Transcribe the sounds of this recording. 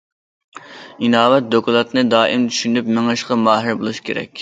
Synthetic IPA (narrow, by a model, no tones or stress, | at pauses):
inɑːwɛt̪̚d̪okʰulˠɑt̪nɨd̪ɑːʔimt̪ʰy̥ʃynypmeŋɨʃqɑmɑːɦɪɾbolˠuʃkʲʰeɾɛ̰kʲ